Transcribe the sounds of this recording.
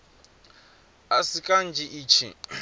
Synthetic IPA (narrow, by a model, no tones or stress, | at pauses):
asikʼan̩d͡ʒʱiʔiːt͡ʃʰḭ